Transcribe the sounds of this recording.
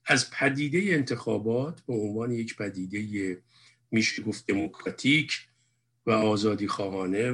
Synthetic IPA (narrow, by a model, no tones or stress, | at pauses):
ʔæzpʰæd̪iːd̪ejeːnt̪ʰexɒ̰ːbɒːt̪ʰbeonvɒːnejecpʰæd̪iːd̪e̞je | miːʃeɡoft̪̚d̪e̞mokʰɾɒːt̪ʰiːcʰ | væɒːzɒːd̪iːxɒːɦɒːne̞